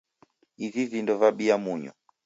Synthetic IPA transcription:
izizindɔvaɓiamuɲɔ̰

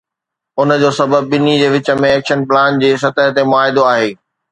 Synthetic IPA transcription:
ʊnə̆d͡ʑoːsɐbəbːɪnid͡ʑeːʋɪt͡ɕə̆mẽɛːkʃənplaːnd͡ʑeːs̬ɐt̪əɦt̪emʊaːɦɪd̪oaːɦeː

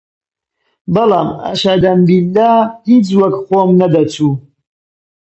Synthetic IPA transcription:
bɐlɑːmɐ̰ʃad̪ɐmbilːahit͡swɐkxoːmnɐd̪ɐt͡sʰu

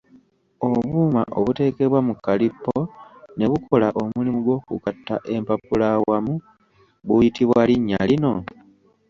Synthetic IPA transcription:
o̞βuːma̰ʔoβute̞ːke̞βwamukːalipːone̞βukʰo̞laʔo̞mulimuɡo̞ːkṵkatːaʔe̞mpapulawamu | βujitiβwaliɲːalino̞

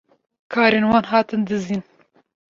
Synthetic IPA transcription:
kʰɑːɾeːnwɑːnɦɑːt̪ɨnd̪ɨziːn

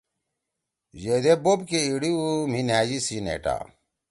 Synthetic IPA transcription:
jed̪ebobkeiɽium̤inɦaːjisinḛʈa̰

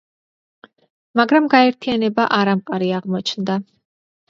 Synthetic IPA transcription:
maɡɾamɡaɛɾt̪ʰijanɛbaʔaɾamqʼaɾiaʁmɔt͡ʃʰnd̪a

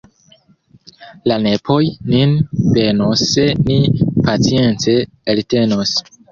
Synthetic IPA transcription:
lane̞pʰo̞jninve̞nosːenipat͡sije̞nt͡se | elte̞nos

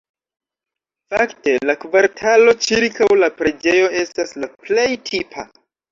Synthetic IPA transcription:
fakte̞lakvaɾtʰalo̞t͡ʃiɾkʰawlapɾe̞d͡ʒe̞jo̞e̞staslaple̞jtʰipʰa̰

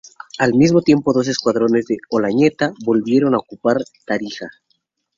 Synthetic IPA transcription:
almizmo̞t̪je̞mpo̞ðo̞s̬e̞skwaðɾo̞ne̞zðeolaɲe̞t̪aβo̞lβje̞ɾo̞naokupaɾt̪aɾixa̰

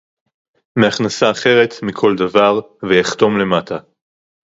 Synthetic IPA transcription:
me̞aχnasaːχe̞ʁe̞t̪mikʰo̞ld̪avaʁ | vejaχt̪o̞mle̞mat̪ʰa

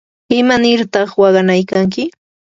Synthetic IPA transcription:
ɪmanɪɾt̪ɑχwɑɢɑnajkaŋk̬ɪ

